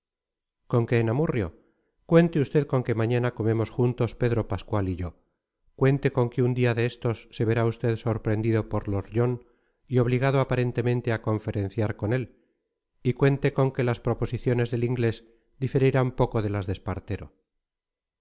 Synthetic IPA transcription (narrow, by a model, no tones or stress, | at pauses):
ko̞ŋke̞ːnamurjo̰ | kwe̞nt̪eust̪e̞ðko̞ŋke̞maɲanako̞me̞mo̞sxunt̪o̞spe̞ðɾo̞paskwaliʝo̞ | kwe̞nt̪e̞ko̞ŋkeund̪iaðeest̪o̞sːe̞βe̞ɾaust̪e̞ðso̞ɾpɾe̞nd̪iðo̞po̞ɾlo̞ɾʎo̞n | io̞β̞liɣaðoapaɾe̞nt̪e̞mẽnt̪e̞ako̞ɱfe̞ɾe̞nθjaɾko̞ne̞l | ikwe̞nt̪e̞ko̞ŋkelaspɾo̞po̞siθjo̞ne̞zðe̞liŋɡle̞z | d̪ife̞ɾiɾampo̞ko̞ðe̞lazðe̞spa̰ɾt̪e̞ɾo